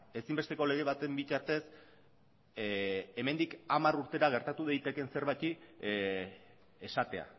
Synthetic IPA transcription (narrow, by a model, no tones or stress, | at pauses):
e̞simbe̞st̪e̞ko̞le̞ɣ̞e̞βat̪e̞mbit̪aɾt̪e̞s | e̞me̞nd̪ikamaɾuɾt̪e̞ɾaɣ̞e̞ɾt̪at̪uðajt̪e̞ke̞nse̞ɾβajt̪i | esat̪e̞a̰